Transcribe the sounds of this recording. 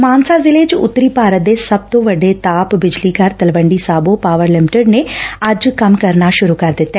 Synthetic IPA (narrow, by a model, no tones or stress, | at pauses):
maːnsaːzɪleːt͡ʃʊ̰t̪ːɾiːpaːɾət̪̚d̪eːsəb̚t̪õːʋəɖeːt̪aːpbɪd͡ʒliːkəɾt̪əlʋəɳɖiːsaːboːpaːʋəɾlɪmɪʈəɖneːəd͡ʒkəmkəɾnaːʃʊɾuːkəɾd̪ɪt̪ːɛː